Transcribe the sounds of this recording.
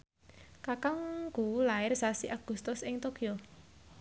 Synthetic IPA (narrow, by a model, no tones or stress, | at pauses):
kakaŋɡ̥ulaɪrsasiʔaɡ̥ṳst̪ʊsɪŋt̪okio